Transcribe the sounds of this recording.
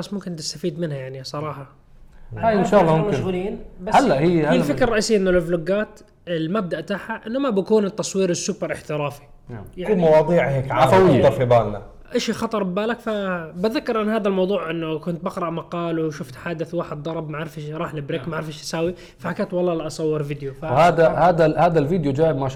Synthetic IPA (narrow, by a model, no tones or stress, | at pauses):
basːmʊmkɪnt̪ɪ̥st̪afiːd̪mɪnhajaʕnisˤɑɾˤɑːħɑ | aːjnʃaːʔlˤːɑmʊmmaʃɣʊliːnbahalːaʔhihilfɪkɾɑrˤɑʔiːsɪjːʔɪnːʊlɪfloɡaːt̪ | ɪlmab̚d̪aʔt̪aħhaʔɪnːʊmabakuːnɪt̪ːɑsˤwiːɾɪsːʊpːɑɾˤɪħt̪ɪɾɑːfi̥ | jauːmɑwɑːðˤiːʕheːkʕaawɪɑfibaːlna | ʔaʃixɑt̪ˤɑɾˤbbaːlakfabaðakːɪɾˤʔɪnːhaːd̪almɑwðˤuːʕʔɪnːʊkʊnt̪̚bɪqɾˤɑʔmɑqɑːlwʃʊft̪ħaːd̪ɪθwaːħɪd̪̚d̪ˤɑɾˤɑbmaʕɪɾfɪʃɾˤɑːħlɪbɾekmaʕɪɾfɪʃḁsaːwi | fahakaːt̪wɑlˤːɑːlaʔɑsˤɑwːɪɾvɪd̪jofahaːd̪ahaːd̪ahaːd̪alviːd̪jud͡ʒaːʔɪbmaʃ